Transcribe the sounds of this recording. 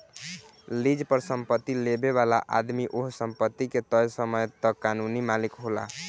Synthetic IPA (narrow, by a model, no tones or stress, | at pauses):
lid͡ʒpəɾsəmpət̪ːilebeβala̰ʔa̰d̪miʔoɦsəmpət̪ːiket̪əjsəməjt̪ɔkanunimalikɦola̰